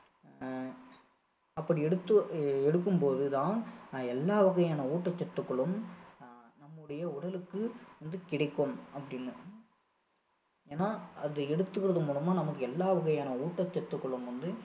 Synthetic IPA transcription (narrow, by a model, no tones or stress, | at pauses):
ɐpːɐɽiɛɽɯt̪ːɯɛɽɯk̬ːɯmpoːðɯt̪ãːnɛlːaːʋɐɣɐjaːnɐuːʈːɐt͡ʃːɐt̪ːɯkːɐɭɯm | nɐmːɯɽɐjɐʊɽɐlɯkːɯʋɐnd̪ɯkɪɽɐɪkːomɐpːɐɽɪnːɯ | eːnːaːɐðɯɛɽɯt̪ːɯɣɪɾɐðɐmuːɭɐmaːnɐmɐkːɯɛlːaːʋɐɣɐjaːnɐuːʈːɐt͡ʃːɐt̪ːɯkːɔɭɯmʋɐnd̪ɯ